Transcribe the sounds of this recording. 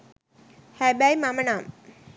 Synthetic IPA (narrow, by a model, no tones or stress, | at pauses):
hæbæjmamənaːm